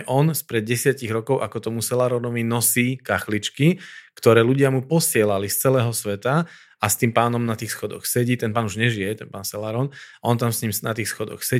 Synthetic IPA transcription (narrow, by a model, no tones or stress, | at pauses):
ʔɔnspɾɛd̪̚ɟɛsɪaciɣɾɔkɔʊʔakɔt̪ɔmusɛlaɾɔnɔʋinɔsiːkaxlit͡ʃkikt̪ɔɾɛːluɟɪamupɔsɪɛlalist͡sɛlɛːɦɔsʋɛt̪a | ast̪iːmpaːnɔmnat̪iːxsxɔd̪ɔ̰xsɛɟiːt̪ɛnpaːnuʒɲɛʒijɛt̪ɛnpaːnsɛlaːɾɔːnaɔnt̪amsɲimsnat̪iːxsxɔd̪ɔ̰xsɛ